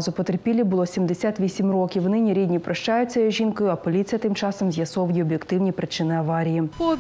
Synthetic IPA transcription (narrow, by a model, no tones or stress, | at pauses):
zʊpɔt̪erpʲilʲibʊlˠɔsʲimd̪esʲat̪ʋʲisʲimrɔkʲiwnɪnʲiɾʲid̪ʲnʲipɾɐʃt͡ʃɑjʊt͡sʲɐjɔʒʲinkɔjʊɐpɔlʲit͡sʲijɐt̪ɪmt͡ʃɑsɔmzʲjɐsɔwjiɔbʲjekt̪ɪwnʲipɾɪt͡ʃɪnɪɐʋɑɾʲijipɔ